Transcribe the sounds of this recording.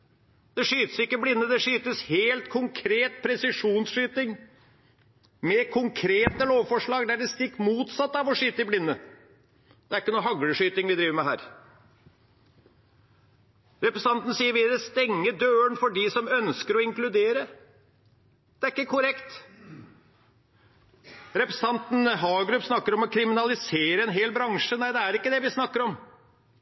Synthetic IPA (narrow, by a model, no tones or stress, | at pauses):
d̪̥ɛʂyːt̪əsɪkːəblɪnːəd̪ɛʂyːt̪əsheːlt̪kʰʊŋkʰɾeːt̪̚pʰɾɛsɪʂuːnsʂyːt̪ɪŋ | mɛkʰʊŋkʰɾeːt̪əloːʋfɔʂɭɑːɡd̪æɖɛst̪ɪkːmuːt̪sɑt̪ːɑʋɔʂyːt̪əɪblɪnːə | d̪̥ɛæɾɪkːənuːɦɑɡɽəʂyːt̪ɪŋʋɪd̪ɾiːʋəɾmɛɦæ̰ːɾ | ɾɛpɾəst̪ɑnt̪n̩siːəɾʋɪd̪ɛst̪ɛŋːəd̪øːəɳfɔɖɪsɔmœnskəɾɔɪŋklʉd̪eːɾə | d̪̥ɛæɾɪkːəkʰʊɾɛkt̪ | ɾɛpɾəsə̥t̪ɑnt̪n̩ɦɑːɡɾʉpːsnɑkːəɾɔmɔkʰɾɪmɪnɑlɪseːɾəɛnɦeːlbɾɑŋʂənæɪd̪ɛæɾɪkːəd̪ɛʋɪsnɑkːəɾɔm